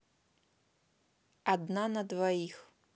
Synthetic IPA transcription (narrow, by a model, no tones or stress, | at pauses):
ad̪nanɐd̪vajix